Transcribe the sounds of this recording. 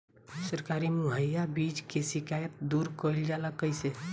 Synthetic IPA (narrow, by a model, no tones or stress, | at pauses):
səɾkaɾimuɦəjabid͡ʒkesikajət̪̚d̪uɾkɔild͡ʒaləkəjse